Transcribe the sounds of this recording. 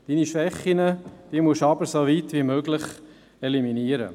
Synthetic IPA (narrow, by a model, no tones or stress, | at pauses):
d̥iːniʃʋɛχːinəd̥iːmuʃɑbəɾsoʋit̪ʋimøːɡlɪχ | ɛliminiəɾə̰